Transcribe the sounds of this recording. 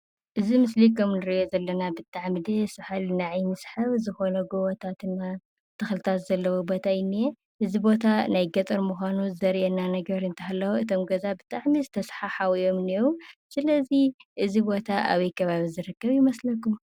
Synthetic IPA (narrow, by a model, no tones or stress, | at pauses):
ʔɨzimɨslikʰɐmnɨɾɨʔjozɐlːɐnabɨt̪ʼaʕmid̪esɨħalnaʕajmɨsħaβzɨxo̞nɐɡowɐt̪ʰat̪ɨnːa | t̪ʰɐxlɨt̪ʰat̪zɐlːɐwobo̞t̪ʰajɪnːije | ʔɨzibo̞t̪ʰanajɡɐt̪ʼɐɾmuxʷanuzɐɾʔɛnːanɐɡɐɾɨnt̪ʰɨɦalːɐwoɨt̪ʰomɡɐzabɨt̪ʼaʕmizɨt̪ʰɐsħaħawijo̞mniwusɨlɐziʔɨzibo̞t̪ʰaʔa̰βɐjkʰɐβaβizɨɾɨkːɐβjɪmɐslɐkːum